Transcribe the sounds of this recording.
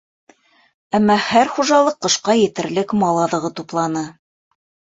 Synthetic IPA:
æmːɑhæɾχuʒɑlˠɤqːɤ̆ʃqɑjɘ̆t̪ɘ̆ɾlɘkmɑlˠɑðɤ̆ʁɤt̪uplˠɑnɤ

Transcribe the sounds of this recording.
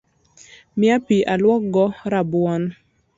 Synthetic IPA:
mɪapiʔalwɔk̚ɡɔɾabwɔn

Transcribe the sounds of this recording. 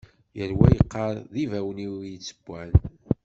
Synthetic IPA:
jəɾwæjəqːɑɾˤðivæwniwjət͡sːə̥bːæn

